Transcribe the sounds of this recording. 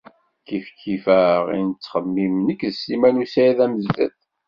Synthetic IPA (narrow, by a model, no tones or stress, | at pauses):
kifkʰːifæʁḭnət͡sːχəmːimnəkːðəsimænusæjæðæməzːæ̰θ